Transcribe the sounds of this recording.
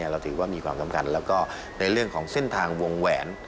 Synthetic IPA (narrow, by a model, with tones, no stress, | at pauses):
ɾa˧wt̪ʰɯː˩˦waː˥˩miː˧kʰwaː˧mka˧mkʰa˧nlɛː˦˥wkɔː˥˩ | na˧jɾɯ˥˩əŋkʰɔː˩˦ŋse˥˩nt̪ʰaː˧ŋwo˧ŋwɛː˩˦n